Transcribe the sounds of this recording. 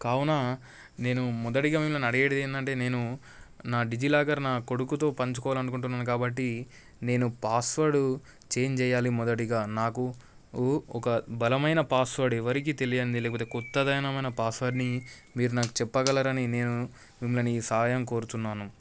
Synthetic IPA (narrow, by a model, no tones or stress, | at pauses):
kaːwunaː | ne̞ːnumɔd̪ɐʈiɡaːmimulɐniɐɽɐɡeːɽɐd̪ejɐnd̪ɐɳʈe̞ːne̞ːnu | naːɖid͡ʒilaːɡɐɾnaːko̞ɽukut̪o̞ːpɐɲt͡ʃukɔːʋalɐnukuɳʈunːaːnukaːbɐʈːi | ne̞ːnupaːsʋɐɾɽu | t͡ʃeːɲt͡ʃɛːjaːlimɔd̪ɐʈiɡaːnaːku | ɔkɐbɐlɐmɐjnɐpaːsʋɐɾɽɛʋɐɾik̬iːt̪e̞lijɐnd̪ilɛːkɐpoːt̪ekɔt̪ːɐd̪ɐjɐnɐmɐjnɐpaːsʋɐɖni | miːɾunaːku̥t͡ʃɛpːɐɡɐlɐːɾɐnine̞ːnu | mimulɐniːsɐɦaːjɐmko̞ːɾut̪unːaːnu